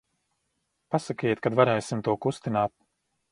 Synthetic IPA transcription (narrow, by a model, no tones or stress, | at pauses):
pasakajɛt̪̚kad̪vaɾɛjsimt̪uɔkust̪inaːt̪̚